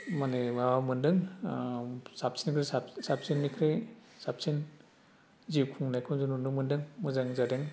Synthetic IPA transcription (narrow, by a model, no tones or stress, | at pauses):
manewamɯndɯŋ | sap̚sinkʰɾesasap̚sinːikʰɾej | sap̚sin | ziwkʰuŋnajkʰɯnzununumɯndɯŋmɯzaŋzaɾeŋ